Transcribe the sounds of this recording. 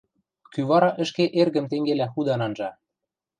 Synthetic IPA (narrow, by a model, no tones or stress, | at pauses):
kyβɑɾɑʔə̆ʃkeʔerɣə̆mt̪eŋɡelæxud̪ɑnɑnʒɑ